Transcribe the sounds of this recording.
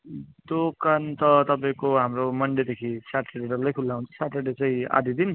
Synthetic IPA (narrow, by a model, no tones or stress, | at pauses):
d̪okant̪ʌt̪ʌpaĩkoɦamromʌɳɖed̪ekʰisaʈeɖeɖʌrlajkʰulːaũnt͡sʰʌ̥saʈɾeɖet͡sʌĩa̰d̪ʱid̪in